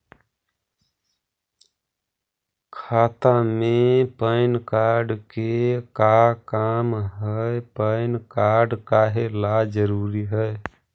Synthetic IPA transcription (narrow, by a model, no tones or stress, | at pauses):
kʰat̪amepəɪnkaɾɖkekakamɦəjpəɪnkaɾɖkaɦelad͡ʒəɾuɾiɦəj